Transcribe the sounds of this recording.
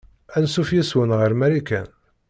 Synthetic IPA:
ænsufjæswənʁəɾmæɾikæn

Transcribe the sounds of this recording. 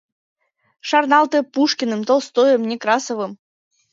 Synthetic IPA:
ʂɑrnɑlˠt̪ɛpuʂkʲinɨmt̪olˠst̪ojəmnʲekɾɑsovɨm

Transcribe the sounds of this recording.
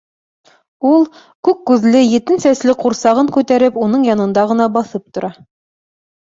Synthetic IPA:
ulˠ | kʉkːʉðlɘjɘ̆t̪ɘnsæslɘquɾsɑʁɤŋkʉt̪æɾɘpunɤɴjɑnɤ̆nd̪ɑʁɤ̆nɑbɑθɤp̚t̪ŏɾɑ

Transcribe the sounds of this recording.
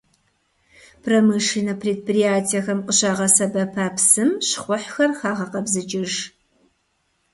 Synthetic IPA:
pʰrɐmɨʂinɐpʰreːd̚prijaːtʰijɛxɐmqəɕaːʁɐsɐbɐpʰaːpsɨmɕχʷʊħxɐrxaːʁɐqɐbzɨt͡ʃʼɪʒ

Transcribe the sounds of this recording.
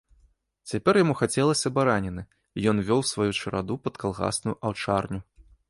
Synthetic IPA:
t͡sʲapʲɛrjamuxat͡sʲɛlˠɐsʲɐbaɾanʲɛnɨ | ijɔnvʲɔwsvajut͡ʂɐɾa̰d̪upɐt̪kalˠɣa̰snujuʔawt͡ʂarnʲu

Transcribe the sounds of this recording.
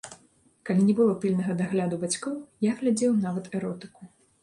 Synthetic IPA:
kalʲinʲɛbɨlˠɔpʲilʲnɐɣɐd̪aɣlʲad̪ubat͡sʲkɔwjaɣlʲad͡zʲɛwnavɐt̪ɛɾɔt̪ɨ̥ku

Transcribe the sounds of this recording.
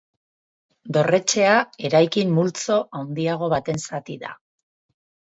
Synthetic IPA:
d̪o̞re̞t͡ʃe̞ae̞ɾajkimːult͡so̞ʔawnd̪iaɣ̞o̞β̞at̪e̞nsat̪iða̰

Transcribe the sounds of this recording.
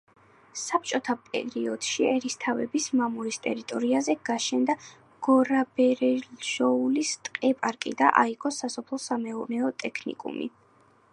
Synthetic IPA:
sap̚t͡ʃʼɔt̪ʰapʼɛ̰ɾiɔd̪̥ʃiɛɾist̪ʰavɛbismamuɾist̪ʼɛ̰ɾit̪ʼɔɾiazɛɡ̥aʃɛnd̪a | ɡ̥ɔɾabɛɾɛlʒɔulist̪ʼqʼɛpʼaɾkʼid̪a̰ʔaiɡɔsasɔpʰlˠɔsamɛuɾnɛɔt̪ʼɛkʰnḭkʼṵmḭ

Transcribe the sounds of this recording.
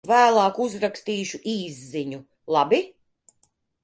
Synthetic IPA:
væːlˠɑːkuzɾakst̪iːʃuʔiːzːiɲu | lˠabi

